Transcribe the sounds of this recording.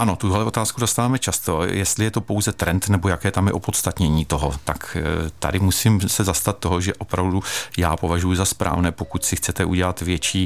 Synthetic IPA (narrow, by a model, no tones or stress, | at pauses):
ʔano̞t̪uɦlɛo̞t̪aːskudost̪avaːmɛt͡ʃast̪o̞jɛst̪lɪjɛt̪o̞po̞wzɛt̪ɾɛnt̪nɛbo̞jakɛːt̪amjɛ̰ʔopo̞t̪st̪at̪ɲɛɲiːt̪o̞ɦot̪akt̪a̰dɪmusimsɛzast̪at̪̚ːo̞ɦoʒɛʔo̞pɾavdujaːpo̞vaʒujuzaspɾʔa̰ːvnɛːpo̞kut̪sɪxt͡sɛt̪ɛʔuɟɛlat̪vjɛt͡ʃiː